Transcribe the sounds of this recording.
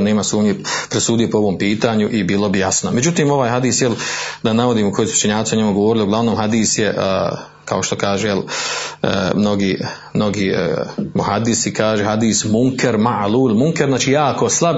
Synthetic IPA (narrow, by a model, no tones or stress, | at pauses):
neːmasuːmɲepɾesuːd̪ijopooʋo̞ːmpiːt̪aːɲuʔibiːlobijasnomed͡ʑut̪iːmo̞ʋaːjɦad̪iːsjeld̪anaʋo̞d̪iːmuko̞jesuu̥t͡ʃeɲaːt̪ioɲe̞muɡoʋoɾɪlioɡlˠaʋnoːmhad̪iːsjeʔ | kʰao̞ʃt̪o̞kaːʒujel̰ː | mno̞ɡiː | mno̞ɡiːmuhad̪isikaːʒehad̪iːsmuŋkeɾmaluːlmuŋkeɾnaːt͡ʃiːjaːko̞slˠab